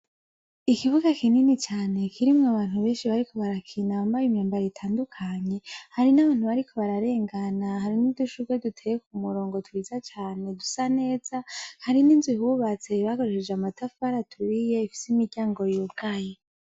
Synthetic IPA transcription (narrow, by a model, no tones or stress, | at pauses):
ikiβuɡakininit͡ʃaːne̞kʰiɾimŋaβaːn̥huβe̞ːnʃiβaɾiko̞βaɾakʰinambajumɲaːmbaɾeitʰaːndukʰaɲe̞haɾinaβaːn̥huβaɾikʰo̞βaɾaɾe̞ːŋɡanahaɾiniduʃuɡwedutʰejek̚umuɾo̞ːŋɡo̞twiːzat͡ʃaːne̞dusane̞ːz̥ahaɾiniːnzwihuβat͡se̞βaɡo̞ɾeʃed͡ʒeamatafaɾatʰuɾije̞ifi̥simiɾɟaːŋɡo̞jubɡaje